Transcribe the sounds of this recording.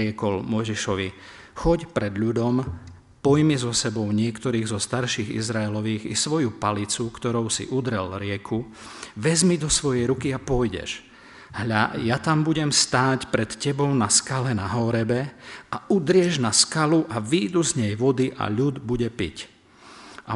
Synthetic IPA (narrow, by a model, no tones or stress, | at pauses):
ɪɛkɔlmɔjʒiʃɔʋi | xɔɟpɾɛd̪ʎud̪ɔm | pɔjmizɔsɛbɔʊɲɪɛkt̪ɔɾiːɣzɔst̪aɾʃiɣḭzɾaɛlɔʋiːɣḭsʋɔjupalit͡sukt̪ɔɾɔʊsḭʔud̪ɾɛlɾɪɛkʰu | ʋɛzmid̪ɔsʋɔjɛjɾukiapɔjɟɛ̰ʒ | ɦajat̪ambuɟɛmst̪aːcpɾɛt̪cɛbɔʊnaskalɛnaɦɔɾɛbɛaud̪ɾɪɛʒnaskaluʔaʋiːd̪uzɲɛjʋɔd̪iʔa̰ʎud̪buɟɛpḭc | a